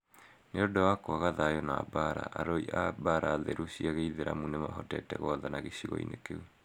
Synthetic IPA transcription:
neodɔwakoaɣaðaːjɔna̰ːbaɾa̰ʔaɾɔiʔabaɾaːðeɾusiaɣeiðeɾamunema̰ɦɔtɛtɛ̰ɣɔðanaɣeɕiɣɔ̰ḭnekeu

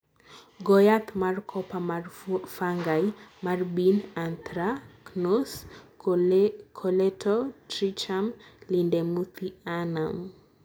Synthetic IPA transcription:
ɡɔjat̪markʰɔpamfaŋɡajmarbinant̪ɾaknos | kʰɔlɛtʰɔtɾit͡ʃamlindemut̪ianam

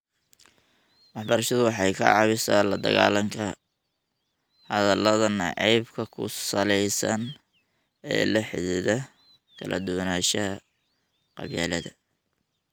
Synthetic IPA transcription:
wɑħbɐɾɐʃɐðʊwɑħɑjkʰɐ̰ʕɑβɪsalɐd̪ɐ̰ɣa̰ːlɐŋkʰɐ | hɐðɐlɐðɐnɑʕijbkʰɐkʰʊ̰sɐlɛjsɐn | ɛ̰ːlɐħɪðɪðɐ | kʰɐlʔɐ̰d̪ʊwnaːʃɐ | qɑ̰βja̰ːlɐðɐ

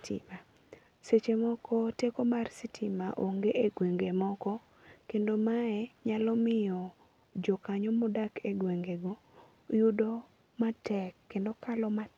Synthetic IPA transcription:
tḭma | set͡ʃemɔkʰɔtekomarsitʰimaʔoŋɡeʔeɡweŋɡemɔkɔ | kendomaɛɲalɔmɪjɔ | d͡ʒɔkaɲɔmɔdakeɡweŋɡeɡo | judo | matɛkːendokalɔma

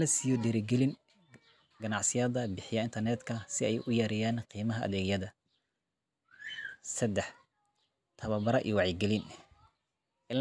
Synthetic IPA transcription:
ɐsijɔd̪ɛːɾɪɡɛlɪn | ɡɐnɑʕsɪjaːðɐbɪħɪjɐɪnt̪ʰɐrnɛd̪kʰɐsɪɛjʔʊjɐɾɪjaːnqiːmɐɦɐʔɐ̰ðɛːɡjɐðɐ | sɐd̪ɛħ | t̪ʰɐβɐbɐɾɐʔḭːwɑʕjɛɡɛlin | ʔɪ

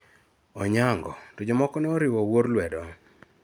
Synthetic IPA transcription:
ɔɲaŋɡɔtɔd͡ʒɔmɔkɔnɛɔɾɪwɔwoɾlwɛdɔ

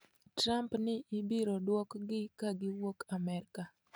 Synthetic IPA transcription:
tɾampnɪʔibiɾodwɔkɡɪkaɡɪwokamɛɾka

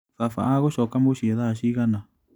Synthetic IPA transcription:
fafa̰aɣoʃɔkambuʃiaðaʃiɣanã

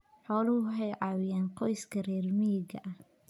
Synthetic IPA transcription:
ħɔːlʊhʊħɛjʕɑːwɪjaːnqɔjskʰɐrɛːrmɪjɪɡɐ̰ʔɐh

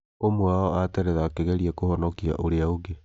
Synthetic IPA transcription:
omwaɔatɛɾɛðaakeɣɛɾiakohɔnɔkia̰ʔoɾeaoɡe

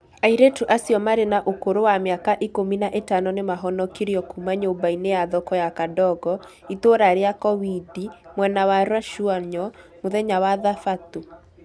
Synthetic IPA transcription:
aiɾetuʔasjɔmaɾenaʔokoɾowameakaʔikominaʔetanɔnemaɦɔnɔkiɾjɔkumaɲobainejaðɔkɔjakadɔɡɔ | itoɾaɾeakɔβidimwɛnawaɾwaʃuaɲɔmoðɛɲawaðafato

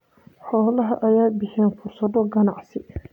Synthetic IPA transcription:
ħɔːlɐɦɐ̰ʔɐjaːbɪħɛːnfʊrsɐðɔɡɐnɑʕsɪ

